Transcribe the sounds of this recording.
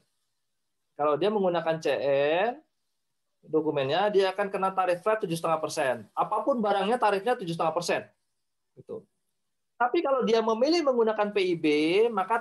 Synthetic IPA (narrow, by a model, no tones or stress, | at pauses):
kalawdiaməŋɡunakant͡ʃeʔɛn | dokumɛnɲadiaːkankənalt̪aɾɪfɾɛt̪ːud͡ʒʊs̬t̪əŋahpərsɛnapapʊnbaɾaŋɲat̪aɾɪfɲat̪ud͡ʒʊst̪əŋahpərsɛn | it̪ṵ | t̪apikalawdiaməmilɪhməŋɡunakanpeibemaka